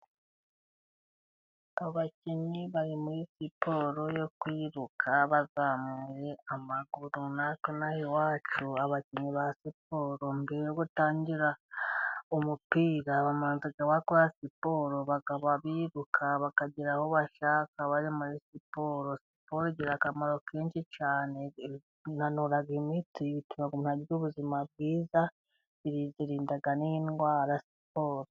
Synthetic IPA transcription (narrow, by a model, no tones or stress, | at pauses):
aβaciɲiβaɾimuɾisipo̞ːɾo̞jo̞kwiːɾukʰaβazaːmuɾe̞amaɡuɾunakonahewaːt͡ʃuaβaciɲiβasipo̞ːɾo̞mbiɾejoɡutaːɲɟiɾa | umupiːɾaβamaːnziɡaβakoɾasipo̞ːɾoβakaβaβiɾukʰaβakaɟiɾahoβaʃakaβaɾimuɾisipoɾosi̥poɾoɟiɾakamaɾo̞keːnʃit͡ʃaːne̞ | nanuɾaɡimitiβitumaɡunaɟuβuzimab̚ɡiːza | βiɾizeɾiːndaɡaninɡwaːɾasipoːɾo